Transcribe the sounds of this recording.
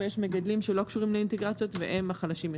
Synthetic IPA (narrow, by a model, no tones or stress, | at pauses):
jeʃmeɡad̪limʃe̞lo̞kʃuʁimleint̪eɡʁat͡sjo̞t̪vḛʔemaχalaʃime